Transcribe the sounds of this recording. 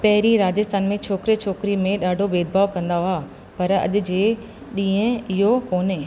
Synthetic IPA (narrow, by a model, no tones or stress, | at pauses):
pɐɦɪɾiɾaːd͡ʑəst̪ʰaːnmẽt͡ɕʰoːkɾet͡ɕʰoːkɾimẽɗaːɖʱobeːd̪̚bʱaːʋkɐ̃nd̪aɦʊaː | pɐɾɐ̰ʄʊ̆d͡ʑeː | ɗĩːə̃ɪɦokoːne